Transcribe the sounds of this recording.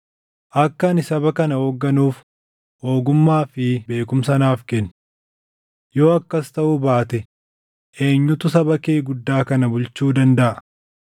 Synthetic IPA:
ʔɐkːɐnɪsɐbɐkɐnɐhoːɡːɐnuːf | ho̞ːɡʊmːaːfɪbe̞ːkʊmsɐnaːfkɛnː | jo̞ːɐkːɐst̪ɐʔʊbaːt̪ɛ | ʔeːɲːʊt̪ʊsɐbɐkeːɡʊd̪ːaːkɐnɐbʊlt͡ʃuːd̪ɐnd̪ɐʔɐ

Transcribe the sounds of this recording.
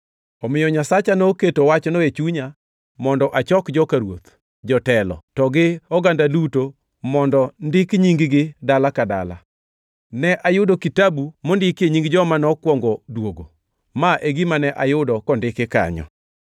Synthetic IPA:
ɔmɪjɔɲasat͡ʃanɔketowat͡ʃɔnɔet͡ʃuɲa | mɔndɔʔat͡ʃɔkd͡ʒɔkaɾwot̪ | d͡ʒɔtɛlɔ̰tɔɡɪɔɡandaluto | mɔndɔndɪkɲiŋɡɪɡɪdalakada̰la̰ | nɛʔajʊdokitabumondɪkjeɲiŋɡd͡ʒɔmanɔkwɔŋɡɔdwoɡo | maʔeɡimanɛʔajʊdɔkɔndɪkɪka̰ɲɔ̰

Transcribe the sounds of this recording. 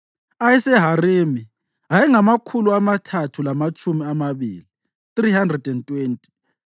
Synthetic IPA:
ajɛsɛɦaremi | ɦajɛŋamakʰuluamatʰatʰulamat͡ʃʼumiamaβḭːli | θrihandrɛdɛntʼweːntʼi̥

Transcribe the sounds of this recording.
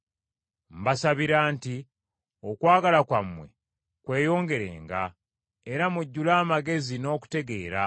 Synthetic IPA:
m̩basaβiɾaːnti | o̞kwaːɡalakwamːwe̞̰ | kwe̞ːjo̞ːŋɡe̞ɾe̞̰ːŋɡa | eɾamuɟːulaːmaɡe̞zino̞ːku̥te̞ɡe̞ːɾa

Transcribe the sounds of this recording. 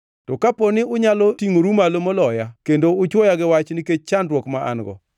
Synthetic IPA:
tɔkaponɪʊɲalɔtiŋoɾumalomolɔjakendoʊt͡ʃwɔjaɡɪwat͡ʃnɪket͡ʃ̚t͡ʃandɾwɔkmaʔa̰nɡɔ̰

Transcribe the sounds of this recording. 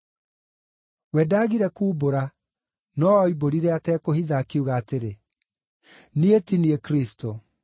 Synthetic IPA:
wɛːdaːɣiɾɛkuːboɾa | nɔiboɾiɾɛatɛkohiðaːkeuɣaːteɾe | nietiniekɾisto

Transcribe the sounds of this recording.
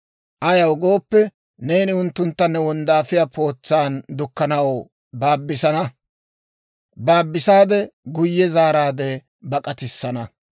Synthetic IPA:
ʔɐjɐwɡo̞ːpːɛ | ne̞jnɪʊnt̪ːʊnt̪ːɐnːɛwɔnd̪aːfɪjapʰo̞ːt͡sːaːnd̪ʊkːɐnɐw | baːbːɪsɐnɐ | baːbːɪsaːd̪ɛɡʊjːɛzaːɾaːd̪ɛ | bɐkʼɐt̪ɪsːɐnɐ

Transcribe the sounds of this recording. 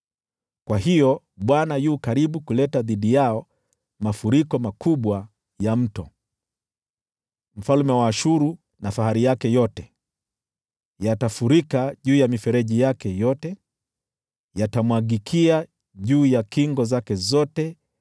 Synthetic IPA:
kwaɦijɔ | ɓwanajukaɾiɓukulɛtaðiɗijaɔ | mafuɾikɔmakuɓwa | jam̩tɔ | m̩falmɛwaːʃuɾu | nafaɦaɾijakɛjɔtɛ | jatafuɾikaʄuːjamifɛɾɛʄijakɛjɔtɛ | jatamwaɡikʰia | ʄuːjakiŋɡɔzakɛzɔtɛ

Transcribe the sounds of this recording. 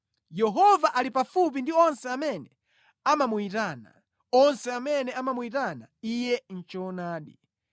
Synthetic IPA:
jɛɦɔvaʔalipafup̬indiɔnsɛamɛnɛ | amamuitana̰ | ɔnsɛamɛnɛamamuitana̰ijɛn̩t͡ʃɔnaːɗi

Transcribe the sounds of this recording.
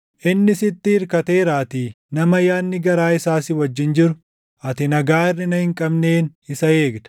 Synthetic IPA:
ʔɪnːɪsɪt̪ːɪhɪɾkɐt̪e̞ːɾaːt̪iː | nɐmɐjaːnːɪɡɐɾaːɪsaːsɪwɐd͡ʒːɪnd͡ʒɪɾʊ | ʔɐt̪ɪnɐɡaːɪrːɪnɐhɪŋkʼɐbne̞ːnɪsɐe̞ːɡd̪ɐ̥

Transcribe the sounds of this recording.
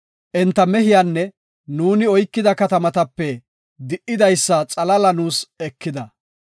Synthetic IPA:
ʔɛnt̪ːɐmɛɦɪjanːɛ | nuːnɪɔjkːɪd̪ɐkɐt̪ɐmɐt̪ɐpːɛ | d̪ɪʔɪd̪ɐjsːɐt͡sʼɐlɐlɐnuːsɛkːɪd̪ɐ

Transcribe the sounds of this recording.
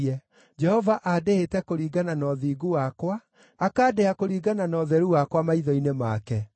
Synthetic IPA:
ɛ | d͡ʒɛhɔvaʔadeetɛkoɾiːɡananɔðiːɡuwakwaː | kaːdɛakoɾiːɡananɔðɛɾuwakwamaiðɔinema̰kɛ

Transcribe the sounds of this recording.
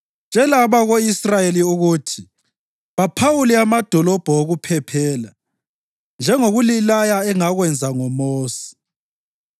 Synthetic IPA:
nd͡ʒʱɛlaβaɣoisrajeliuɣutʰi̥ | βapʰawuliamad̥ʱɔlɔb̥ʱɔoɣupʰɛpʰɛːla | nd͡ʒʱɛŋoɣulilajaɛŋaɣwɛnd͡zʱaŋɔmoːsi̥

